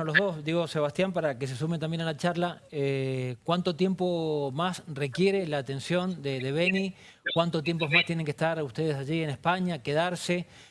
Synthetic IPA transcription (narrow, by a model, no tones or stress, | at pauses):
nolo̞ɦðo̞sd̪iɣo̞se̞βast̪jampaɾake̞s̬esumet̪ambje̞nalat͡ʃaɾlaekwant̪o̞t̪je̞mpo̞masre̞kje̞ɾe̞laːt̪ẽ̞nsjo̞nd̪eðe̞βe̞ni | kwant̪ot̪je̞mpo̞zmast̪je̞ne̞ŋkest̪aɾust̪e̞ð̞esaʒienespaɲake̞ð̞aɾse̞